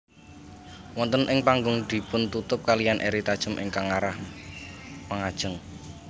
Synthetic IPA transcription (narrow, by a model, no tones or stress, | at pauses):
wɔnt̪ənʔɪŋpaŋɡʊŋd̪̥i̤pʊnt̪ut̪ʊp̚kalijanʔeɾit̪ad̥ʒ̥ə̤mʔɪ̰ŋkaŋaɾah | maŋad̥ʒ̥əŋ